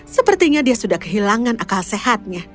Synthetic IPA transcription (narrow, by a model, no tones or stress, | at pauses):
səpərt̪iɲadiasudahkəɦilaŋanakalsehat̪̚ɲa